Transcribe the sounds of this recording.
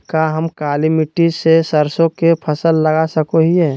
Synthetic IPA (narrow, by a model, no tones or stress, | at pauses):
kaɦəmkaːlimɪʈid͡ʒsesəɾsõkepʰəsəlːɐɡasəkoɦiɦɛː